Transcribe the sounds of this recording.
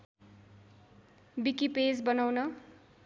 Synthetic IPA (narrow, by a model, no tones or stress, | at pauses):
bikiped͡zbʌnawnʌ